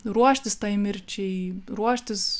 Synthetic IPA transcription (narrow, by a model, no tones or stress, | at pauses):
ruɔʃʲt̪ʲɪst̪ɐɪmʲɪrʲt͡ʃʲɛɪɾuɔʃʲt̪ʲɪs